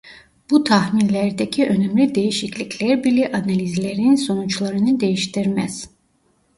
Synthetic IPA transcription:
b̥ut̪ʰahminlæɾd̪æcʰiʔø̞næmlʲid̪e̞jiʃicʰlʲicʰlʲæɾbilɛʔanalʲizlʲeɾininso̞nut͡ʃlˠaɾɯnɯd̪e̞jiʃt̪iɾmæ̰z̥

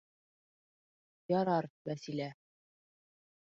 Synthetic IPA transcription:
jɒɾɑɾbæsilæ

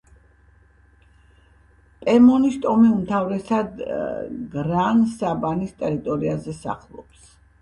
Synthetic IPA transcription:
pʼɛmɔnist̪ʼɔmiumt̪ʰavɾɛsad̪ | ɡɾansabanist̪ʼɛɾit̪ʼɔɾiazɛsa̰χlˠɔ̰ps

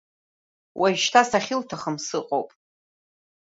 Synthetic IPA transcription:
wʔaʃtʰasaχʲɪltʰaχəmsɨqʼowpʼ

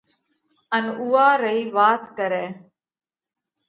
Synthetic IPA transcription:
ənuːaːɾəiːʋaːt̪kəɾeː

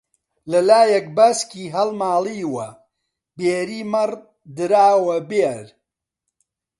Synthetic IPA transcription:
lɐlaːjɛk̚baskiːɦɐlmaːliːwɐ | beːɾiːmɐr | d̪ɨɾaːwɐbeːɾ

